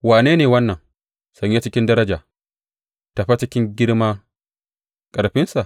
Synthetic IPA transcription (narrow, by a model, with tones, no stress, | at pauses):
waː˨neː˦neː˨wɐ˦nːɐ˨ŋ | sɐ˨ɲja˦t͡ʃɪ˦kʲɪ˦ndɐ˦ɾɐ˦d͡ʒaː˨ | ta˨ɸa˦t͡ʃɪ˦kʲɪ˦ŋɡʲɪ˦ɽmaː˦ | kʼɐ˨ɽɸɪ˦nsa˨ʔ